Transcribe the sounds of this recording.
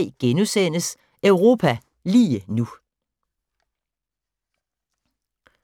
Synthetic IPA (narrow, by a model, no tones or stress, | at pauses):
ɪɡ̥enusen̰əs | œʊʁo̝ːpʰæ | liːənu